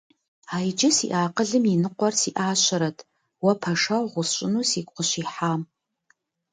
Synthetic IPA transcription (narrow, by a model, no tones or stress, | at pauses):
aːjd͡ʒɪsḭːʔaːqəɮɨminɨqʷɔrsiːʔaːɕɐɾɐtʰ | wɐpʰɐʂɐwʁʷʊɕʼɪnuːsiːkʷʼqəɕiːħaːm